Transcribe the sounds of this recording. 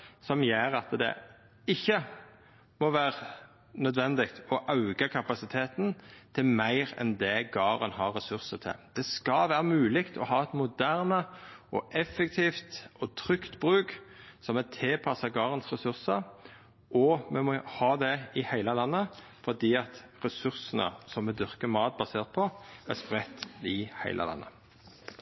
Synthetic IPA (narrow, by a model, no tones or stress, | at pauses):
sɔmjeːɾɑt̪d̪ɛ̰ | ɪçːə | mɔʋæːʁə | nœd̪ʋɛnd̪ɪkt̪ɔʔɑʉɡəkʰɑpɑsɪt̪ʰeːt̪nt̪ʰɪlmæɪʁɛ̰nd̪ɛɡɑːʁənhɑʁɾːɛsʉɾsət̪ʰɪ̰ld̪̥ɛskɑlʋæːʁəmʉːlɪkt̪ʰɔhɑːɛt̪mʊd̪æʁnəɔʔɛfːɛk̚t̪ʰiːft̪ɔt̪ʰʁʏkt̪bʁʉːksɔmɛt̪ʰeːpʰɑsəɡɑːʁənsʁɛsʉʁsəɾ | ʔɔmɛmɔhɑːd̪ɛɪhæɪləlɑnːə | fɔd̪iːɑt̪ʁɛsʉʁsənə̰sɔmːɛd̪ʏʁkəmɑːt̪̚bɑseːʁt̪̚pʰɔæspʁɛt̪ːɪhæ̰ɪlʔə̰lɑ̰nːə̰